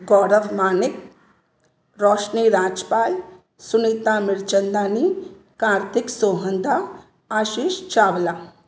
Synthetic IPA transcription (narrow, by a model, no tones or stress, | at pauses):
ɡɔːɾəʋmaːnɪk̚ | ɾɔːʃniːɾaːd͡ʒpaːj | sʊnit̪amɪɾt͡ʃənd̪aːniː | kaːɾt̪ʰɪksoːɦənd̪a | aːʃiːʃt͡ʃaːʋlaː